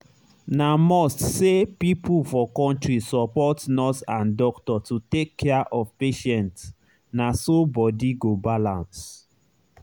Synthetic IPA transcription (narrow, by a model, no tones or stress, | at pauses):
namɔstsepipʰulfɔkɔ̃ntɹisɔpɔtnɔtãndɔktɔtutekʰːɛaʔɔvpeʃɛ̃nt | nasobɔdiɡobalãns